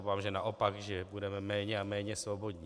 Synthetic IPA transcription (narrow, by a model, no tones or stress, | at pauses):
vaːmʒɛnaʔopakʒɛbudɛmɛmɛːɲɛamɛːɲɛsvobo̞dɲi